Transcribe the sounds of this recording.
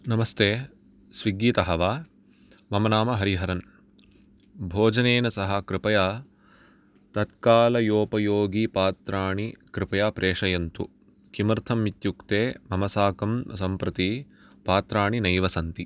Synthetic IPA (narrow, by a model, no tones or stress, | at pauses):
nɐmɐst̪eː | sʋiɡiːt̪ɐɦɐʋaː | mɐmɐnaːmɐɦɐɾiɦɐɾɐn | bʱoːd͡ʒɐneːnɐsɐɦɐkɾɪpɐjaː | t̪ɐt̪kaːlɐjoːpɐjoːɡipaːt̪ɾaːɳikɾɪpɐjaːpɾʔeːʂɐjɐnt̪ṵ | kimɐɾt̪ʰɐmːit̪jukt̪eːmɐmɐsaːkɐmsɐmpɾɐt̪i | paːt̪ɾaːɳinɐjʋɐsɐnt̪i